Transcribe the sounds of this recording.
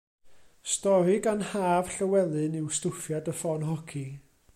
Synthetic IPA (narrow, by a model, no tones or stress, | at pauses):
stɔɾɨɡanhaːv̥ɬəwɛlˠɨnɪwstʊfjadəfɔnɦɔkʰi